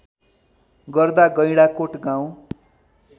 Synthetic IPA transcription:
ɡʌrd̪aɡʌjɽakoʈɡãw̃

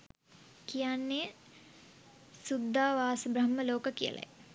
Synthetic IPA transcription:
kijanːe | sud̪ʱːaːʋaːsubɾəmːəloːkəkijə̰lʔa̰j

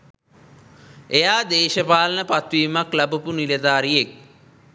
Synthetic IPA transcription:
ejaːd̪eːʃəpaːlənəpat̪ʋiːmaklæbupuniled̪aːɾijek̚

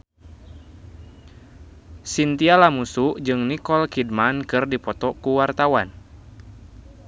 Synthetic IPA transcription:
sint̪ialamusuʔd͡ʒɨŋnikɔlkid̚mankɨrdipɔt̪ɔkuwart̪awan

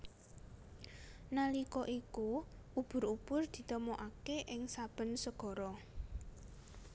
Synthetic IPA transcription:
nalikɔʔiku | ub̥ʊ̤ɾub̥ʊrd̪̥i̤t̪əmɔʔakeʔɪŋsab̥ə̤nsəɡ̥ɔ̤ɾɔ

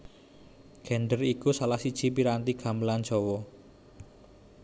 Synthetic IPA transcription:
ɡ̥ɛ̤nɖərikusalahsid̥ʒ̥i̤piɾant̪iɡ̥a̤mlan̥d͡ʒ̥ɔwɔ

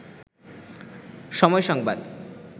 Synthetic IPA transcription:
ʃɔmɔeʃɔŋbad̪

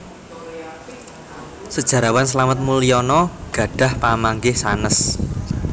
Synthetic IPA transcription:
səd̥ʒ̥ä̤ɾawans̬əlamət̪̚muliɔnɔɡ̥ä̤ɖ̥a̤hpamaŋɡɪhsanəs

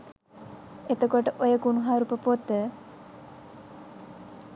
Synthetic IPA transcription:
et̪okoʈəʔojəɡunuɦaːɾupəpot̪ːə

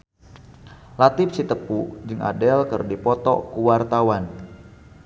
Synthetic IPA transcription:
lat̪ɪp̚sit̪əpud͡ʒɨŋʔa̰dɛlkərdipɔt̪ɔ̰kuwart̪awan

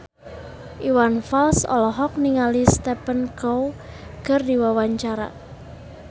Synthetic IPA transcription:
ʔiwanfalsɔ̰lɔɦɔk̚niŋalist̪ɛpənkow | ɡ̥ərdiwawaɲt͡ʃaɾa̰

